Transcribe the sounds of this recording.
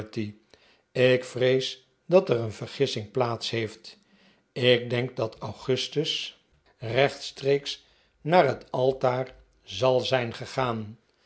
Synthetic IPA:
ti | ɪkfrejs | dɑtərənvəɹχɪsɪŋplaːtsɦejft | ɪɡ̚dɛŋk̚dɑtʰawχɵstəs | rɛχtstrejks | naːrɦətɑlˠtaːr | zɑlˠzɛjnχəχaːn

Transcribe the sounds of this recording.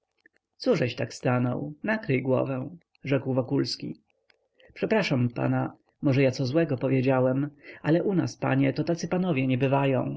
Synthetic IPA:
t̪suʐɛɕt̪akst̪anɔ̰wnakɾɘjɡwɔ̰vɛ̃w̃ | ʐɛkwvɔkulskʲḭ | pʂɛpɾaʂampa̰na | mɔʐɛjat̪sɔzwɛɡɔpɔvʲjed͡ʑawɛmalɛʔuna̰spa̰ɲɛt̪ɔt̪at̪sɘpanɔvʲjɛɲɛbɘvajɔ̰̃w̃

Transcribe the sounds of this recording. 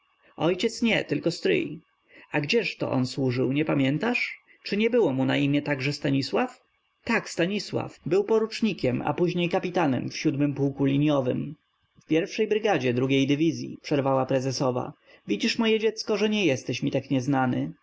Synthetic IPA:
ɔjt͡ɕɛt̪sɲɛt̪ɘlkɔst̪ɾɘ̰j | aɡd͡ʑɛʂt̪ɔ̰ʔɔ̰nswuʐɘwɲɛpamʲjɛnt̪aʂ | t͡ʂɘɲɛbɘwɔmuna̰imʲjɛt̪aɡʐɛst̪aɲiswaf | t̪akst̪aɲiswa̰fbɘwpɔɾut͡ʂɲikʲɛma̰puʑɲejkapʲit̪anɛ̰mfɕud̪mɘmpuwkulʲiɲjɔvɘ̰m | fpʲjɛɾfʂɛjbɾɘɡad͡ʑɛd̪ɾuɡʲejd̪ɘvʲizʲjḭpʂɛɾvawapɾɛzɛsɔva̰ | vʲid͡ʑiʂmɔjɛd͡ʑɛt̪skɔʐɛɲɛjɛst̪ɛɕmʲit̪akɲɛznanɘ

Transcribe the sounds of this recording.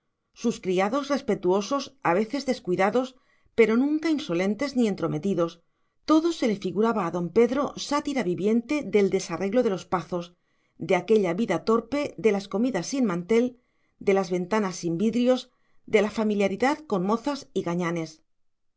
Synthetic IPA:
suskɾiaðo̞zre̞spe̞t̪uo̞so̞saβe̞θe̞zðe̞skwiðaðo̞s | pe̞ɾo̞nũŋkainso̞le̞nt̪e̞znie̞nt̪ɾo̞me̞t̪iðo̞s | t̪o̞ðose̞le̞fiɣuɾaβaːðo̞mpe̞ðɾo̞sat̪iɾaβiβje̞nt̪e̞ðe̞ld̪e̞sarʔe̞ɣlo̞ðe̞lo̞spaθos | d̪e̞ake̞ʎaβiðat̪o̞ɾpe̞ðe̞lasko̞miðasːinmãnt̪e̞l | d̪e̞lazβe̞nt̪anasimbiðɾio̞z | d̪e̞lafamiljaɾiðaðko̞nmo̞θasiɣaɲane̞s

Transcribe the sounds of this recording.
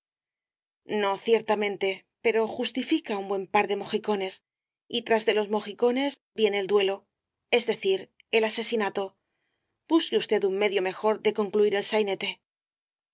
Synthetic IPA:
no̞θje̞ɾt̪amẽ̞nt̪e̞ | pe̞ɾo̞xust̪ifikaumbwe̞mpaɾðe̞mo̞xiko̞ne̞s | it̪ɾazðe̞lo̞zmo̞xiko̞ne̞zbje̞neːld̪we̞lo̞ | e̞zðe̞θiɾ | e̞lase̞sinat̪o̞ | b̥uskeust̪e̞ðumme̞ðjo̞me̞xo̞ɾðe̞ko̞ŋkluiɾe̞lsajne̞t̪e̞

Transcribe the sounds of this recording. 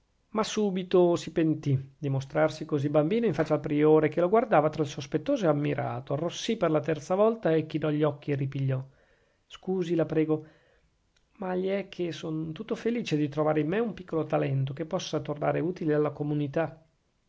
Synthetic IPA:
masuːbit̪osipent̪id̪imost̪ɾarsikozibambiːnoiɱfat͡ʃːalpɾioːɾek̟eloɡward̪aːvat̪ɾailsospet̪ːoːzoamːiɾʔa̰ːt̪oarːosːiperlat̪ɛrt̪savɔlt̪aekːinɔʎːɔkːierːipiʎːɔ | skuːzilapɾɛːɡo | maʎiɛkʰːesont̪ut̪ːofeliːt͡ʃed̪it̪ɾovaːɾeimːeumpikːolot̪alɛnt̪ok̟epːɔsːat̪orna̰ːɾeuːt̪ilealːakomunit̪a

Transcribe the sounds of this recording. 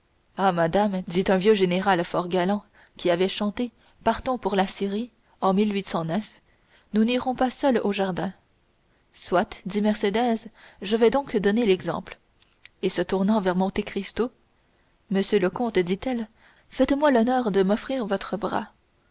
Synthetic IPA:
amad̪amd̪it̪œ̃vjøʒeneʁalfɔʁɡalɑ̃ | kʲiavɛʃɑ̃t̪e | paʁt̪ɔ̃puʁlasiʁi | ɑ̃milɥit̪sɑ̃nœf | nuniʁɔ̃pasœloʒaʁd̪ɛ̃ | swat̪d̪imɛʁsed̪ɛzʒəvɛd̪ɔ̃kd̪ɔnelɛɡzɑ̰̃pl | esət̪uʁnɑ̃vɛʁmɔ̃t̪ekχist̪o | məsjøləkɔ̃t̪d̪it̪ɛl | fɛt̪mwalɔnœːʁd̪əmɔfχiːʁvɔt̪χəbʁa̰

